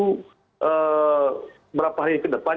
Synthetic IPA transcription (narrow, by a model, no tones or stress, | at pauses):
u | ə | bəɾapaɦaɾikɪt̪d̪əpa